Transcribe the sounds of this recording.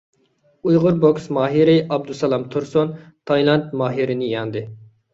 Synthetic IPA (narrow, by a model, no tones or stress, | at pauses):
ujʁʊɾboksmɑːɦiɾɪʔɑb̚d̪usɑlˠɑmt̪ʰuɾsont̪ʰɑjlˠɑnt̪mɑːɦiɾɪnɪjɑnd̪ɨ